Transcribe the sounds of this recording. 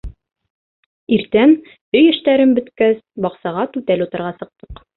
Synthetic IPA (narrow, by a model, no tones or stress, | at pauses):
iɾt̪æn | ɵjɘ̆ʃt̪æɾɘmbɵ̆t̪kæsbɒqsɑʁɑt̪ʉt̪ælut̪ɤ̆ɾʁɑsɤ̆q̚t̪ɤ̥q